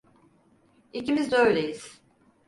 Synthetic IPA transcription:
icimizd̪øjlʲejiz̥

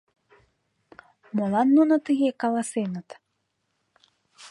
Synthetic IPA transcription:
molɑnːunət̪əɣekɑlɑsenət̪

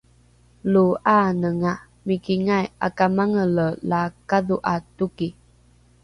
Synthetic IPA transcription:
luanəŋa | mikiŋaja̰kamaŋələlakaðuʔatuki

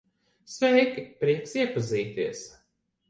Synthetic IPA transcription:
svɛjkpɾiɛksiɛpaziːt̪iɛs

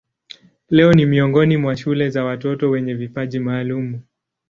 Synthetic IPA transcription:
lɛɔnimiɔŋɡɔnimwaʃulɛzawatɔtɔwɛɲɛvipaʄimaːlumu

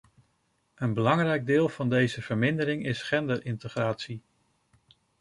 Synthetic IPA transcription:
ənbəlɑŋrɛjɡ̚dɪːlˠv̥ɑndejzəv̥əɹmɪndəɾɪŋɪsχɛndəɹɪntəχraːtsi

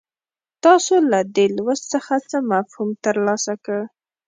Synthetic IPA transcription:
t̪ɑsolad̪elwəst͡səxat͡səmafhumt̪əɾlɑsakə

